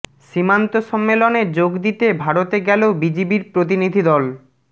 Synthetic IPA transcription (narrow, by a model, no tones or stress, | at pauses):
ʃimant̪oʃɔmːeloneɾd͡ʑoɡd̪it̪ebʱaɽot̪eɡɛlobid͡ʑibiɾpɾot̪̬inid̪ʱid̪ɔl